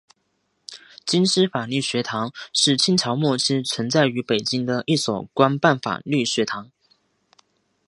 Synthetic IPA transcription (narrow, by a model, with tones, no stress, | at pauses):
t͡ɕi˥nʂɻ̩˥fa˨˩ly˥˩ɕɥɛ˧˥t̪ʰɑ˧˥ŋʂɻ̩˥˩t͡ɕʰi˥nt͡ɕʰjɑ˧˥ʊmwɔ˥˧ʈ͡ʂʰɻ̩˥t͡sʰwə˧˥nt͡sa˥˩ɪy˧˥pe˨˩ɪt͡ɕi˥ŋd̪ə˨ʔi˥˩swɔ˨˩kwa˥npa˥˩nfa̰˨˩ly˥˩ɕɥɛ˧˥t̪ʰɑ˧˥ŋ